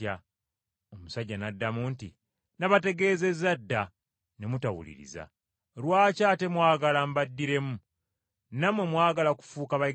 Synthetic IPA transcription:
a | o̞musaɟːanadːamuːntḭ | naβate̞ɡe̞ːze̞zadːa | ne̞mutawṵlḭɾḭza̰ | lwaːcaːte̞mwaːɡalambadːiɾe̞mu | namwe̞mwaːɡalaku̥fuːkaβa

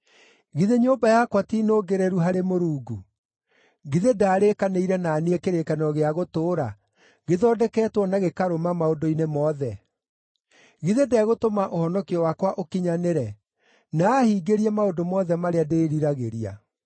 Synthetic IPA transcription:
ɣiðeɲoːmbajakwatiːnoːɡeɾeɾuɦaɾemoɾuːɡu | ɣiðedaːɾekaneiɾɛnaniekeɾekanɔɣeaɣotoːɾa | ɣeðɔːdɛkɛːtwɔnaɣekaɾomamaodoinemɔðɛ | ɣiðedɛɣotomaʔohɔnɔkiɔwakwaʔokiɲaneɾɛ | naːhiːɡeɾiɛmaodomɔðɛmaɾeadeɾiɾaɣeɾia̰

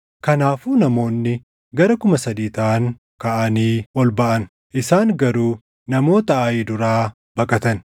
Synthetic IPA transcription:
kɐnaːfuːnɐmo̞ːnːɪ | ɡɐɾɐkʊmɐsɐd̪iːt̪aːŋ | kɐʔɐniːwɔlbɐʔɐn | ʔɪsaːŋɡɐɾuː | nɐmo̞ːt̪ɐɐjiːd̪ʊɾaː | b̥ɐkʼɐt̪ɐn

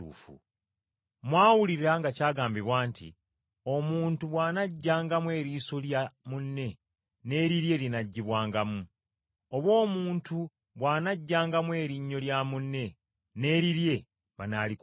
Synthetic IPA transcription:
ṵːfṵ | mwaːwuliɾaŋɡacaːɡaːmbiβwaːntʰḭ | o̞muːntuβwaːnaɟːaːŋɡamwe̞ːɾiːsoljamunːe̞ | ne̞ːɾiɾje̞linaɟːiβwaːŋɡamu | o̞βwo̞ːmuːntu | βwaːnaɟːaːŋɡamwe̞ːɾiɲːo̞ljamunːe̞ | ne̞ːɾiɾje̞ | βanalik

